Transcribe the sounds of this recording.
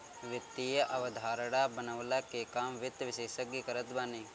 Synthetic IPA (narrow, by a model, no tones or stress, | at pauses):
ʋɪt̪ːijɐʔɐʋɐd̪ʱaːɾɐɽaːbɐnɐʋlakekaːmʋɪt̪ʋɪʃeːʃəɡikɐɾət̪baːniː